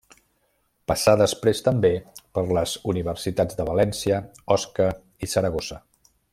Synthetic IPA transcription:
pəsaðəspɾest̪əmbepəɾləzuniβ̞ərsit̪ad͡zd̪əβəlɛnsiə | ɔskə | isəɾəɣozə

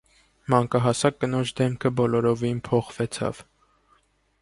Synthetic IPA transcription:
mɑŋkɑɦɑsɑkːənɔt͡ʃʰd̪ɛmkʰəbɔlɔɾɔvinpʰɔχvɛt͡sʰɑ̰v

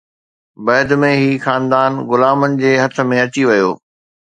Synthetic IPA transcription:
bɐːd̪mẽɦiːxaːnd̪aːnɣʊlaːmənɪ̆d͡ʑeːɦɐt̪ʰə̆mẽɐt͡ɕiʋɐjo̰ː

